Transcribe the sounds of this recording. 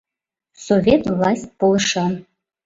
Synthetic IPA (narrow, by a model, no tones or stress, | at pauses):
sovʲet̪vlˠɑsʲt̚ʲpolˠɤʃɑn